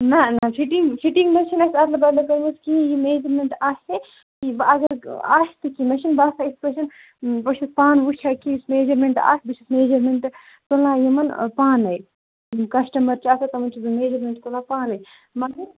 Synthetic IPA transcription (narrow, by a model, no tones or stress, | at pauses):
nɐnɐfʰiʈiŋɡpʰiʈiŋɡmɐʃinɐsɐt̪lɐbɐlɐkɐɾmuskiĩjimeːd͡ʒɐɾmeɳʈaːse | kibɐɡɐɾa̰ːʃʰt̪ɨkimɐʃinbaːsaːispɾɐʃɐn | pɐʃʰispaːnʋut͡ʃʰɐkismeːd͡ʒɐɾmeɳʈa̰ːsbiʃʰismeːd͡ʒɐɾmeɳʈ | t̪olãːjɐmɐnpaːnɐj | kɐsʈɐmɐɾt͡ʃaːsɐt̪ɐmɐnt͡ʃʰizumeːd͡ʒɐɾmʲeɳʈkolaːpaːnɐj | mɐɐ